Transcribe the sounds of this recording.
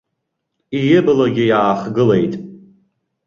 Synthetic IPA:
ijɪblaɡʲɪjaːχɡɨle̞jtʼ

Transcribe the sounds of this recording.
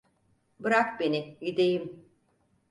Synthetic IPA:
bɯɾakbenijid̪ejim

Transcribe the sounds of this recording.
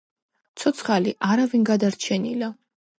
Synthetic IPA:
t̪sʰɔt̪sʰχaliʔaɾavinɡad̪aɾt͡ʃʰɛnila

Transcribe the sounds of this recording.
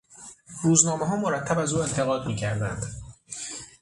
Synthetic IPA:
ruːznɒːmeɦɒːmo̞ɾæt̪ʰːæbæzuːe̞nt̪ʰe̞ɣɒːd̪miːcʰæɾd̪ænd̪̥

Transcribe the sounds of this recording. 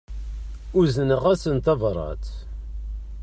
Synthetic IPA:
ʊzənəʁæsənt̪ɑvɾˤɑ̰t̪

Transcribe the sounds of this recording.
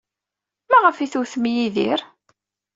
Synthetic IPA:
mæʁəfiθuθmjiðḭɾ

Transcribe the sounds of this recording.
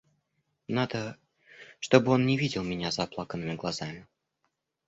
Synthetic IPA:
nad̪ə | ʂt̪o̞bɨo̞nnʲɪvʲidʲɪlˠmʲɪnʲazɐplˠakənːɨmʲɪɡlˠɐzamʲɪ

